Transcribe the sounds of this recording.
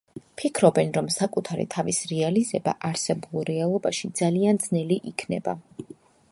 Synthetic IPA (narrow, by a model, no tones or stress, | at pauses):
pʰikʰɾɔbɛnɾɔmsakʼut̪ʰaɾḭt̪ʰavisɾɛalizɛba̰ʔaɾsɛbulˠɾɛalˠɔbaʃid̪zaliand̪znɛliʔikʰnɛ̰ba̰